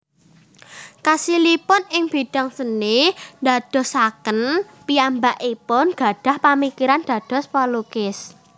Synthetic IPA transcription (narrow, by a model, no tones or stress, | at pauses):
kasilipʊnɪŋb̥iɖ̥a̤ŋsənɪnd̪a̤d̪̥ɔ̤hsakən | piambaʔipʊnɡ̥ä̤ɖ̥a̤hpamikiɾand̪̥ä̤d̪̥ɔ̤spɔlukɪs